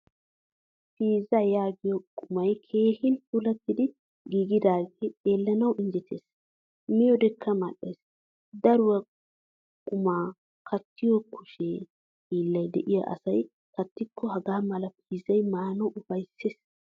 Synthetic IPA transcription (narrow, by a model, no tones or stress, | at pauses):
piːzɐjaːɡɪjɔkʼʊmɐjkʰe̞ːhɪnt̪ʊlɐt̪ːɪd̪ɪ | ɡiːɡɪd̪aːɡeeːlːɐnɐwɪnd͡ʒɛt̪ʰḛːs | mɪjɔd̪ɛkʰːɐmɐɗeːs | d̪ɐɾʊwɐ | kʼʊmaː | kʰɐt̪ːɪjɔkʰʊʃe | hiːlːɐjd̪ɛ̰ʔɪja̰ʔɐ̰sɐj | kɐt̪ːɪkʰːɔhɐɡaːmɐlɐpʰiːzɐjmaːnɐʔʊfɐjsːeːs